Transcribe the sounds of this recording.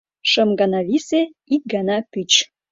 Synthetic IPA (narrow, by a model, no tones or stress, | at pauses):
ʃəmɡɑnɑβiseik̚ɡɑnɑpyt͡ɕ